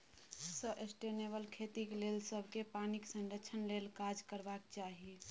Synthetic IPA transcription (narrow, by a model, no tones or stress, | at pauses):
səʔesʈenebəlkʰet̪iklelsəbʱkepaniksə̃nɖ̪ət͡ʃʰənlelkad͡ʒkəɾbak̚t͡ʃaɦi